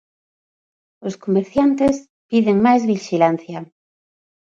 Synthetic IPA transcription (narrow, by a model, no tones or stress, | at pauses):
oskomeɾθjant̪es | piðeŋmajzβiʃilan̟θja